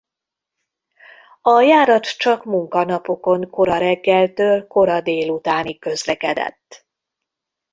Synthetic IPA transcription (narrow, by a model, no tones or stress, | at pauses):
ɒjaːɾɒt̪t͡ʃɒkmuŋkɒnɒpo̞ko̞ŋko̞ɾɒɾɛɡːɛlt̪øːlko̞ɾɒd̪eːlut̪aːnikːø̞zlɛkɛd̪ɛ̰t̪ː